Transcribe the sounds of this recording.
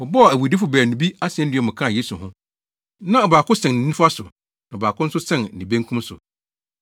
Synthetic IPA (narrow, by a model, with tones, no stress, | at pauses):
ɔ˨bɔ˦ɔ˨æ˨wu˨di˦fʊ˨bæː˨nũ˨bi˦a˦sɪ˨ɛ̃˦n˦dɪ˨ɛ˨mʊ̃˨kʰã˦˨je˦su˨ɦʊ̃˦ | nã˦ɔ˨baː˨kʰʊ˦sɛ̃˨ñ̩˨nĩ˦fa˦sʊ˨ | nã˨baː˨kʰʊ̃˦n̩˦sʊ˦sɛ̃˦˨n̩˨nĩ˨bẽ˦ŋkʰũ˦m˦sʊ̰˨